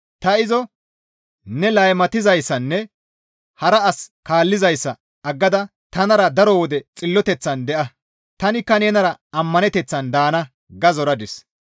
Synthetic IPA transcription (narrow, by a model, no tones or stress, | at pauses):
t̪ɐɪzɔ | nɛlɐjmɐt̪ɪzɐjsːɐnːɛ | hɐɾɐɐskaːlːɪzɐjsːɐ | ɐɡːɐd̪ɐ | t̪ɐnɐɾɐd̪ɐɾɔwɔd̪ɛt͡sʼɪlːɔt̪ɛt͡sːɐnd̪ɛʔɐ | t̪ɐnɪkːɐneːnɐɾɐɐmːɐnɛt̪ɛt͡sːɐnd̪aːnɐ | ɡɐzɔɾɐd̪ɪs